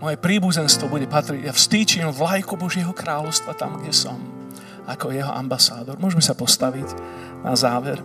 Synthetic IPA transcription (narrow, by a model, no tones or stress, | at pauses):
mɔjɛpɾiːbuzɛnst̪ʋɔbuɟɛpat̪ɾiɟjafst̪iːt͡ʃimvlajkubɔʒɪɛɦɔkɾaːlɔʊst̪ʋat̪amɡɟɛsɔm | akɔjɛɦɔ̰ʔa̰mbasaːd̪ɔɾmʊɔʒɛmɛsapɔst̪aʋiɟ | nazaːʋɛɾ